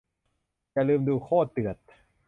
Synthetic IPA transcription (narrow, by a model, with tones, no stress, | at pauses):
ja˨ʔlɯː˧mduː˧kʰɔː˥˩t̪ɯ˨˩ət̪̚